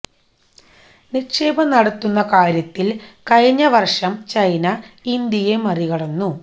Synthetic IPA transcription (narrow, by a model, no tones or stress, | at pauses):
nikʂeːbɐnɐɽɐt̪ːunːɐkaːɾjɐt̪ːilkɐjiɲːɐʋɐrʂɐmt͡ɕɐjnɐind̪jijemɐriɣɐɽɐnːu